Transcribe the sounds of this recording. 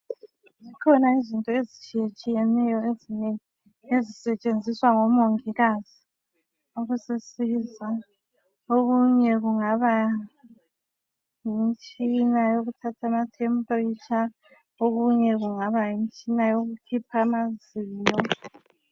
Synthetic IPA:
zikʰɔnaizintʼɔezit͡ʃʼijet͡ʃʼijɛnɛjɔezineŋi | ezisɛt͡ʃʼend͡zʱiswaŋɔmoŋiɣazi | uɣusisiza | oɣuɲɛɣuŋaβa | jint͡ʃʼinajoɣutʰatʰamatʰɛmpʼrit͡ʃʰa | oɣuɲɛɣuŋaβajint͡ʃʼinajoɣukʰipʰamaziːɲɔ

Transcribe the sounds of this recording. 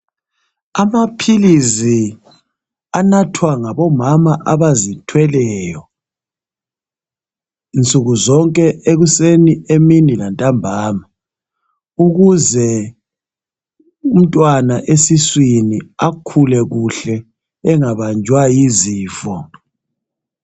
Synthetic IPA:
amapʰilizi | anatʰwaŋaβɔmamaʔaβazitʰwɛlɛːjɔ | int͡sʼuɣuzɔŋkʼɛʔeɣusenieminilantʼambʱaːma | uɣuzɛ | um̩tʼwanaʔesiswiniakʰulɛɣuɬɛ | ɛŋaβand͡ʒʱwajiziːfɔ

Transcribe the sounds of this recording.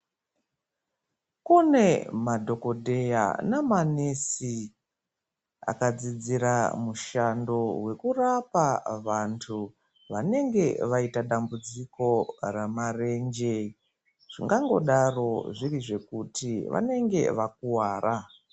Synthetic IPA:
kunemadʱo̞ko̞dʱe̞ja̰namanesi | a̰kad͡zid͡ziɾamuʃando̞we̞kurapaʋantʰu | ʋane̞ŋɡe̞ʋaitaɗambud͡ziko̞ramare̞nd͡ʒe | ʐ̥ḭŋɡaŋɡo̞̰ɗaro̞ʐiriʐe̞kutiʋa̰ne̞ŋɡe̞̰ʋak̚uwaːrʔa

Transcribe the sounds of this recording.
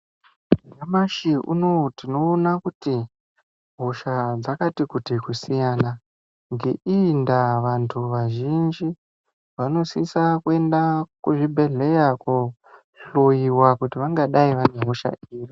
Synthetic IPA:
jamaʃiṵnotino̞ːnakuti | ɦo̞ʃad͡zakatikutikusijana | ŋɡe̞ʔindaʋantʰuʋaʒind͡ʒi | ʋano̞sisakue̞ndakuʐibʱe̞ɮe̞jaku | ɬo̞jiwakutiʋaŋɡaɗaiʋane̞ɦo̞ʃa̰iːri

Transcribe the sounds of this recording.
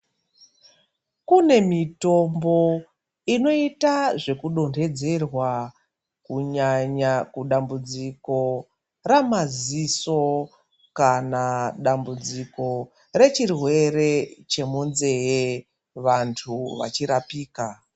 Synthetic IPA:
kune̞mito̞mbo̞ | ino̞itaʐe̞kuɗo̞ndʰe̞d͡ze̞rwa | kuɲaɲakuɗambud͡ziko̞ | ramaziso̞ | kanaɗambud͡ziko̞ | re̞t͡ʃirwe̞re̞t͡ʃe̞munze̞je | ʋantʰuʋa̰t͡ʃiɾapiːka

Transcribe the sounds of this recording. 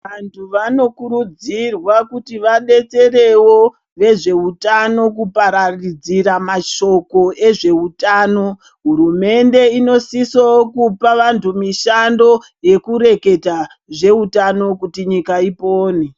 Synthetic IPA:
ʋantʰuʋano̞kuɾud͡zirwakutiʋaɗe̞t͡se̞re̞wo̞ | ʋe̞ʐe̞utano̞k̬upaɾarid͡ziɾamaʃo̞ko̞e̞ʐe̞utaːno̞ | ɦuɾume̞nde̞ino̞sisowokupaʋantʰumiʃando̞ | je̞kuɾe̞ke̞ta | ʐe̞utano̞kutiɲikaipoːne

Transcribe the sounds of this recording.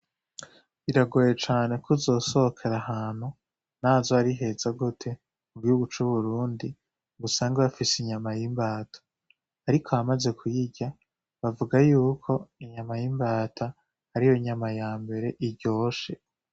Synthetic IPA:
βiɾaɡojet͡ʃaːne̞kuzo̞ːso̞hkʰe̞ɾaɦaːn̥hu | naːzoaɾiɦe̞zaɡutʰe̞ | muβihuɡut͡ʃuβuɾuːndi | ɡusaːŋɡaβafisiɲamajimbaːtʰḁː | ɾikʰo̞amaze̞kʰujiɟa | βavuɡajuːkʰo̞iɲamajimbaːtʰa | haɾijo̞ɲamajaːmbe̞ɾe̞ʔiɾɟo̞ːʃe̞

